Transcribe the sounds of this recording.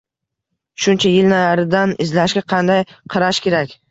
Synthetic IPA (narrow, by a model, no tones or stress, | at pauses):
ʃʊnt͡ʃʰajɪlnajaɾɪd̪anɪzlaʃɡʲaqʰɑnd̪ajqʰɑɾaʃkʲe̞ɾakʲ